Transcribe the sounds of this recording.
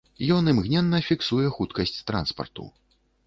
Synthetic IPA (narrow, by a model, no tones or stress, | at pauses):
jɔnɨmɣnʲɛnːɐfʲiksujɛxut̪kɐsʲt͡sʲt̪ɾa̰nspɐ̰rt̪ṵ